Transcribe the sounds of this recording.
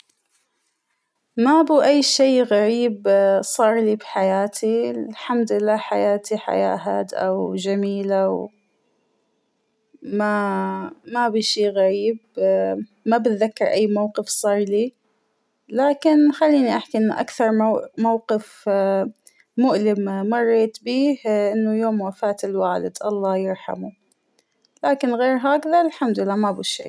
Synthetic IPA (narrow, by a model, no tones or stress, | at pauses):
mabiʔajːʃeːɣaɾiːbsˤɑːɾˤlibħajaːt̪ʰilħamd̪ɪlːaːħajaːt̪ʰiħa̰ja̰ːɦad̪ʔa̰wd͡ʒamiːlaw | ma | mabiʃiːɣaɾiːb | mabɪt̪ðakːɑɾˤʔajːmawqɪfsˤɑːɾˤliː | laːkɪnxalːiːniʔaħkiʔɪnːaʔa̰kθɑɾˤmamawqɪf | mʊʔlɪmmɑrˤːeːt̪biːhʔɪnːʊjoːmwafaːt̪ɪlwaːlɪ̰d̪ʔɑlˤːɑːjɪɾħa̰mu | laːkɪnɣeːɾɦaːkðaɪlħamd̪ɪlːaːmabiʃḛː